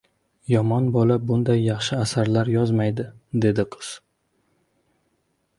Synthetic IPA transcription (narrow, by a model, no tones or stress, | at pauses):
jɒmɒnbɒlabʊnd̪ajːɑχʃɪasaɾlaɾjɒzmajd̪ɪd̪e̞d̪ɪqʰɨ̥z̥